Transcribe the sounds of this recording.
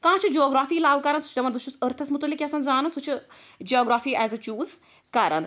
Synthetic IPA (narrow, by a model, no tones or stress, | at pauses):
kãːt͡ʃʰid͡ʒoːɡɾaːfiːlaːʋkɐɾɐnsu̥t͡ʃʰdɐmɐnbɐʃt͡ʃʰusəɾt̪ʰɐsmut̪ulːikʲjɐsɐnzaːnɐnsut͡ʃʰɨ | d͡ʒoːɡɾaːfiːʔɛːzɐt͡ʃuːz | kɐɾɐ̰n